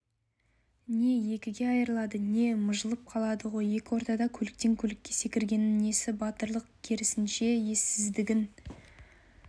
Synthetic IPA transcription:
ne̞je̞kʲɪɡʲe̞ɑjəɾəlˠɑd̪əne̞məʒəlˠəp̚qʰɑlˠɑd̪əʁo̞je̞kʲɪwo̞ɾt̪ɑd̪ɑkʲʰɵlɪk̚t̪e̞ŋkʲʰɵlɪkʲːe̞se̞kʲɪɾɡʲe̞nɪne̞sɪbɑt̪əɾlˠəq̚kʲʰeɾɪsɪnʃe̞je̞sɪzd̪ɪɡʲɪn

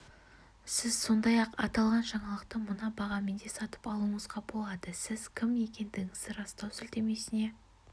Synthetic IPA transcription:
sɪzso̞nd̪ɑjɑqɑt̪ɑlˠʁɑnʒɑɴɑlˠəq̚t̪əmʊnɑbɑʁɑmend̪e̞sɑt̪ə̥pɑlˠuɴəzʁɑbo̞lˠɑd̪əsɪz̥kʲʰɪmje̞kʲe̞nd̪ɪɡʲɪŋɪzd̪ɪɾɑst̪ɑwsʏlt̪e̞me̞sɪne̞

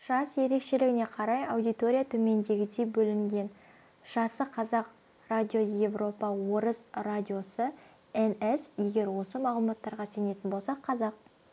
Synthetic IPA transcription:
ʒ̥ɑsje̞ɾe̞kʃe̞lɪɡʲɪne̞qʰɑɾɑjawd̪ijt̪o̞ɾʲijat̪ʰɵme̞nd̪e̞ɡʲɪd̪e̞bɵlɪŋɡʲe̞n | ʒ̥ɑsəqʰɑzɑq | rad̪ʲijo̞jevro̞pɑwo̞ɾəzradʲio̞sə | enesje̞ɡʲe̞ɾwo̞səmɑlˠəmɑt̪ːɑɾʁɑse̞ne̞t̪ɪnbolˠsɑqʰɑzɑq̚

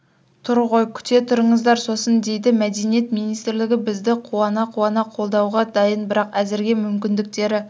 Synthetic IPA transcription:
t̪ʰʊɾʁojkʲʰʏ̥t̪e̞t̪ʰʊɾəɴəzd̪ɑɾso̞sənd̪e̞jd̪ɪmæd̪e̞nije̞t̪mijnijst̪ɾlɪɡʲɪbɪzd̪ɪqʰuɑnɑqʰuwɑnɑqʰo̞lˠd̪ɑwʁɑd̪ɑjənbɪɾɑqæzɪɾɡʲe̞mʏmkʲɪnd̪ɪk̚t̪e̞ɾɪ

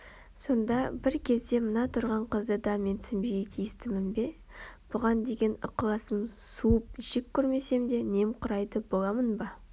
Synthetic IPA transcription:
so̞nd̪ɑbɪɾkʲʰe̞zd̪e̞mənɑt̪ʰʊɾʁɑɴqʰəzd̪əd̪ɑme̞nt̪ʰsɪnbe̞ɡʲet̪ʲʰijɪst̪ɪmɪnbe̞ | b̥ʊʁɑnd̪e̞ɡʲe̞nʊqlˠɑsəmsuəp̚ʒ̥ɪkʲʰːɵɾme̞se̞md̪e̞ne̞mqʰʊɾɑjd̪əbo̞lˠɑmənbɑ

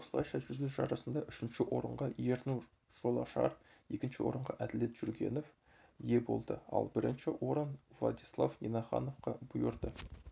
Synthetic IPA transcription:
oslˠɑjʃɑʒʏzd̪ɪzʒɑɾɑsənd̪ɑʔʏʃɪnʃɪwʔo̞ɾəɴʁɑje̞ɾnuɾ | ʒ̥o̞lˠɑʃɑ̰ɾe̞kʲɪnʃɪwo̞̰ɾəɴʁɑʔæd̪ɪle̞t̪ʒuɾɡʲe̞̰no̞f | je̞bo̞̰lˠd̪əɑ̰lˠbɪɾɪnʃɪwʔo̞ɾənvlˠɑ̰d̪islˠavnʲenɑχɑ̰no̞fqɑbʊjəɾd̪ə

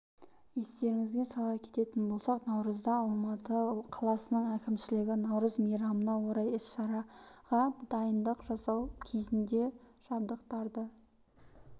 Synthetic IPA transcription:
je̞st̪e̞ɾɪŋɪzɡ̪ʲe̞sɑlˠɑkʲʰe̞t̪e̞t̪ɪnbo̞lˠsɑqnɑwɾəzd̪ɑːlˠmɑt̪əqʰɑlˠɑsənəɴækʲɪmʃɪlɪɡʲɪnɑwɾəzmijɾɑmənɑwoɾɑjɪsʃɑɾɑʁɑd̪̥ɑjənd̪əqʒɑsɑwkʲʰe̞zɪnd̪e̞ʒ̥ɑb̚d̪əqt̪ɑɾd̪ə

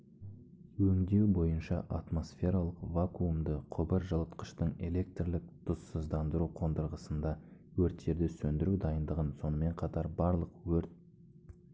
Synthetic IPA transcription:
wɵŋd̪e̞wbo̞jənʃɑʔat̪mo̞sfʲe̞ɾalˠəqvakuumd̪əqʰʊbəɾʒəlˠət̪qə̥ʃt̪əɴe̞̰le̞k̚t̪rlɪk̚t̪ʰʊsːəzd̪ɑnd̪əɾuqʰo̞nd̪əɾʁəsənd̪ɑ | wɵɾt̪ʃe̞ɾd̪ɪsɵnd̪ɪɾud̪ɑjənd̪əʁənso̞nəme̞ɴqʰɑt̪ɑɾbɑɾlˠəqwɵɾt̪̚

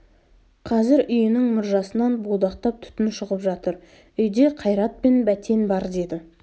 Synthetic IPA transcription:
qʰɑzɪɾʏjɪnɪŋmʊɾʒɑsənɑnbolˠd̪ɑqt̪ɑp̚t̪ʰʏ̥t̪ɪnʃʊʁəpʒɑt̪əɾ | ʏjd̪e̞qʰɑjɾɑt̪̚pe̞nbæt̪ʰe̞nbɑɾd̪e̞d̪ɪ

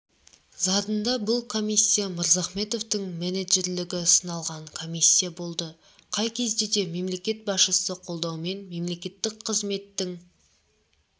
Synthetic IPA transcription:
zɑd̪ənd̪ɑbʊlˠkʰo̞misʲːijaməɾzɑχme̞t̪o̞vt̪əŋmeneʒe̞ɾlɪɡʲɪsənɑlˠʁɑɴkʰo̞mijsʲːijabo̞lˠd̪ə | qʰɑjkʲʰe̞zd̪e̞d̪e̞me̞mle̞kʲe̞t̪̚bɑsʃəsəqʰolˠd̪ɑwme̞nme̞mle̞kʲe̞t̪ːɪkqʰəzme̞t̪ːɪŋ

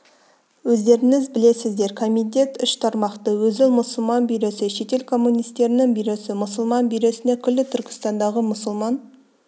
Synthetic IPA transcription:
wɵzd̪e̞ɾɪŋɪzbɪle̞sɪzd̪e̞ɾkʰo̞mit̪̬ʲe̞t̪ʏʃt̪ʰɑɾmɑqt̪əwɵzɪlˠmʊsʊlˠmɑnbijɾe̞sɪʃe̞t̪e̞lkʰo̞mːunijst̪e̞ɾɪnɪŋbijɾesɪmʊsʊlˠmɑnbijɾe̞sɪne̞kʲʰʏlːɪt̪ʰʏɾkʲɪ̥st̪ɑnd̪ɑʁəmʊsʊlˠmɑn

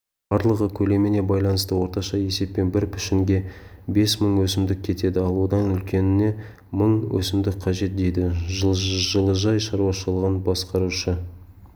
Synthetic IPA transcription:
b̥ɑɾlˠəʁəkʲʰɵle̞mene̞bɑjlˠɑnəst̪əwo̞ɾt̪ɑʃɑje̞se̞pːe̞nbɪɾpʰʏ̥ʃɪŋɡʲe̞be̞sməɴwɵsɪmd̪ɪk̚ʲkʲʰe̞t̪e̞d̪ɪɑlˠwod̪ɑnʏlkʲʰe̞nɪne̞ | məɴwʔɵ̰sɪmd̪ɪk̚qʰɑʒe̞t̪̚d̪e̞jd̪ɪʒʒəlˠəʒɑjʃɑɾuɑʃəlˠəʁənbɑsqɑɾuʃə

